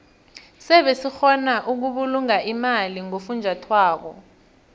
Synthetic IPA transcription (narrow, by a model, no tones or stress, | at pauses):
sɛɓesixɔnaʔuk̬uɓuluŋaʔimaliŋofund͡ʒʱatʰwaːk̬ɔ